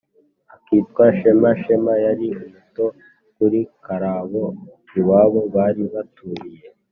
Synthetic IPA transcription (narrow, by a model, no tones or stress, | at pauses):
akiːtkwaʃemaʃe̞majaɾiumuto̞ | kuɾikaɾaβo | iwaːβo̞βaːɾiβatuɾije̞